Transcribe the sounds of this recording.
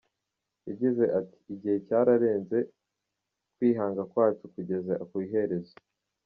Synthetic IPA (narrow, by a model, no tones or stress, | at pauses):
jaɟize̞ʔati̥iɟihe̞caːɾaɾe̞ːnze̞ | kwiːɦaːŋɡakwaːt͡ʃukuɟe̞zakwiːɦe̞ɾe̞zo